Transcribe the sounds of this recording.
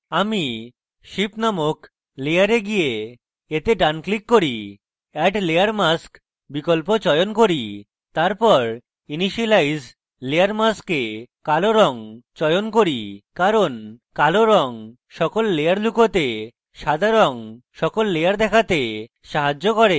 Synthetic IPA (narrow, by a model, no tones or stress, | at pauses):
ami | ʃipnamok | lejaɾeɡije | et̪eɖanklikːoɾi | ɛʈlejaɾmask | bikolpot͡ɕɔjonkoɾi | t̪aɾpɔɾ | iniʃilajz | leaɾmaskekaloɾɔŋt͡ɕɔjonkoɾikaɾonkaloɾɔŋ | ʃɔkolːejaɾlukot̪e | ʃad̪ʱaɾoŋ | ʃɔkolːejaɾd̪ɛkʰat̪e | ʃaɦad͡ʑːokɔɾe